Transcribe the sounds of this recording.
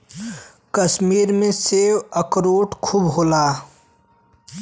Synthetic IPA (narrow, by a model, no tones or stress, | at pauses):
kəsmiːɾmẽsewəkɾoːʈkʰubɦoːlaː